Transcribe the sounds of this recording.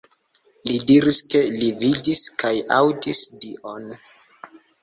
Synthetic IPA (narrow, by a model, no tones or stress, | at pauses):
lidiɾiske̞lividiskʰajawtisdiʔon